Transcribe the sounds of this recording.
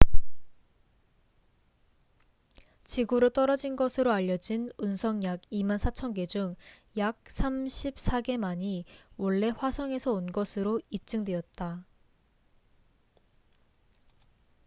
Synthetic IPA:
t͡ɕiɡuɾɯt͈ʌɾʌd͡ʑinɡʌsʰɯɾoaʎːʌd͡ʑinunsʰʌŋjaɡimansʰat͡ɕʰʌnɡe̞d͡ʑuŋ | jak̚s͈ʰamɕʰip̚s͈ʰaɡe̞maɲiwʌɭːe̞ɸwasʰʌŋe̞sʰʌonɡʌsʰɯɾoip̚t͡ɕ͈ɯŋdwe̞ʌt̚t͈a

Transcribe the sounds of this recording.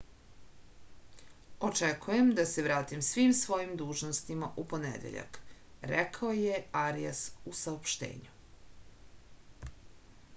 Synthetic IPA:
o̞t͡ʃekʰuje̞md̪ase̞ʋɾaːt̪imsʋiːmsʋo̞jimd̪uːʒnost̪imaʔupo̞nḛd̪ḛʎa̰k | ɾekʰaoje̞aɾija̰susaopʃt̪ḛːɲu

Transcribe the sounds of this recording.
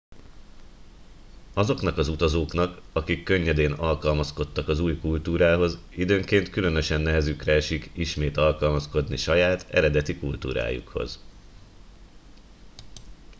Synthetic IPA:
ɒzo̞kn̪ɒkɒzut̪ɒzoːkn̪ɒkɒkikːø̞ɲːɛd̪eːnɒlkɒlmɒsko̞t̪ːɒkɒzuːjkult̪uːɾaːɦo̞z | id̪øːŋkeːnt̪kylø̞nø̞ʃɛnːɛɦɛzykrɛɛʃikiʃmeːt̪ɒlkɒlmɒsko̞d̪niʃɒjaːt̪ɛ̰ɾɛd̪ɛt̪ikult̪ṵːɾa̰ːjṵkho̞̰z

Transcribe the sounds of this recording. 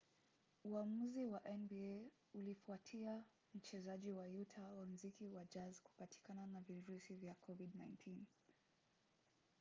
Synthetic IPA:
uamuziwaʔɛnbie | ulifuatʰia | m̩t͡ʃɛzaʄiwajutʰawam̩zikiwad͡ʒazku̥pati̥kananaviɾusivjakʰɔvidnãjntʰin

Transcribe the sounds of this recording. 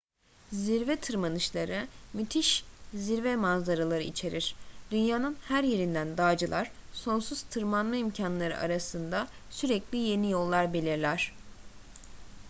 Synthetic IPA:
ziɾvɛt̪ʰɯɾmanɯʃlˠaɾɯmyt̪ʰiʃziɾvɛmazd̪aɾalˠaɾɯit͡ʃʰe̞ɾiɾ̥d̪̥ynjaːnɯnhæɾje̞ɾind̪ænd̪aːd͡ʒɯlˠaɾ̥so̞nsuz̥t̪ʰɯɾmanmaimcʰanlˠaɾɯ̰ʔa̰ɾasɯnd̪asyɾɛclʲije̞nijo̞lˠːaɾbe̞lʲiɾlʲæɾ̝̥

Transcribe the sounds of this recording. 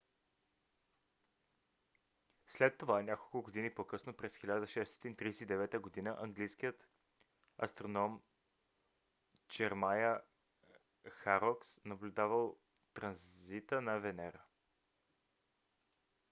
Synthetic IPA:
slɛt̪ːovaɛnʲakolˠkʊɡod̪inipokɤsnopɾɛsxilʲad̪əʃɛst̪o̥t̪int̪ɾisɛt̪id̪ɛvɛt̪əɡod̪inəʔɐŋɡlijsk̟ijət̪ | ɐ̰st̪ɾonɔm | t͡ʃɛɾmajə | xaɾɔksnɐblʲud̪avəlˠ | t̪ɾɐnzzit̪ənɐvɛnɛɾə

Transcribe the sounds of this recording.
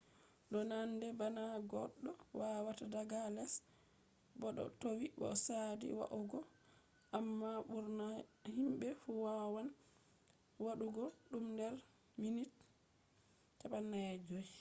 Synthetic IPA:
ɗɔnandɛbanaɡɔɗːɔwawatadaɡalɛs | bɔɗɔ̰towibɔ̰sadḭwa̰ʔuɡɔ | ʔamːaɓuɾnahimɓɛfuwawan | waɗuɡɔɗumdɛɾ | minit | aɓanːaɛd͡ʒɔj

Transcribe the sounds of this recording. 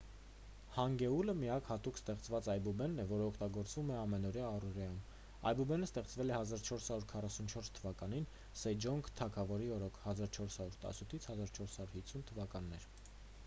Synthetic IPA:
hɑŋɡɛuləmiɑkhɑt̪ukst̪ɛχt͡svɑt͡sɑjbubɛnːɛvɔɾəɔkʰt̪ɑɡɔɾt͡svumɛɑmɛnɔɾjɑːruʁjɑjum | ɑjbubɛnəst̪ɛχt͡svɛlɛhɑzɑɾt͡ʃʰɔɾshɑɾuɾkʰɑrɑsunt͡ʃʰɔɾst̪ʰəvɑkɑnin | sɛd͡ʒɔŋɡʰt̪ʰɑkʰɑvɔɾiɔɾɔkʰhɑzɑɾt͡ʃʰɔɾshɑɾuɾt̪ɑ̰sut̪ʰit͡sʰhɑzɑɾt͡ʃʰɔɾshɑɾuɾhit͡sʰːunt̪ʰəvɑkɑnːɛɾ

